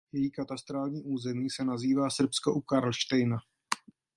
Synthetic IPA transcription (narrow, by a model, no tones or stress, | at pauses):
jɛjiːkat̪ast̪ɾaːlɲiːʔuːzɛmiːsɛnaziːvaːsr̩pskoʔukaɾlʃt̪ɛjna